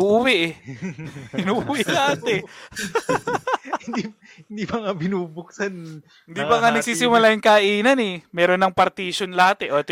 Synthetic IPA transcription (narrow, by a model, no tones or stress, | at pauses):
uːʔuwɛʔɛ | ɪnuːʔuːwɪlahat̪ɛ | hɪnd̪i | ɪnd̪iːbɐŋabɪnuːbʊksan | hɪnd̪bɐŋanɐɡɡsiːsɪmʊlaːjʊŋkaʔiːnɐnɛmɛːɾonːɐŋpɐɾt̪iːʃonlɐhat̪ɛʔot̪